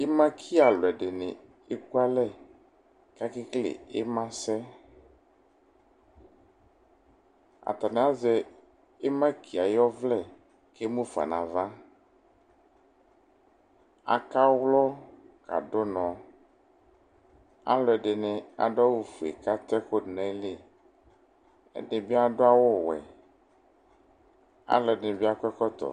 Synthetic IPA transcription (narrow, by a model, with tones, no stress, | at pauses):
e˦mã˦kʰi˦a˨lɔ˨ɛ˨ɖe˨nḛ̃˨ | e˦ku˦a˦lɛ˦ | ka˦ki˦klḛ˨e˦mã˦sɛ˦ | a̰˨t̪a˨nã˦zɛ˦ | e˦mã˦kʰi˨a˨jɔ˦vlɛ˦˨ | ke˦mũ˦fa̰˨nã̰˨vã˦ | a̰˨ka˦wlɔ˦ka̰˨ɖo˦nɔ̃˨ | a̰˦lɔ˨ɛ˨ɖe˨nɛ̃˨a̰˨ɖɔ˦wo˦fu˨ḛ˨ka˦t̪ɛ˦xo˦ɖnɛ̃˦le˨ | ḛ˨ɖe˨bi˦a˦ɖo˦a˦wo˦˨wɛ̰˨ | a̰˨lɔ˨nɛ̃˨bi˦a˦kɛ˦kɔ˦t̪ɔ̰˨